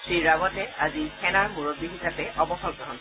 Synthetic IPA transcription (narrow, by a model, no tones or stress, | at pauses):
sɹiɹaɡɔtɛazikʰɛnaɹmuɹoɡ̚bixisapɛʔɔbɔxɔlkɹɔɦɔn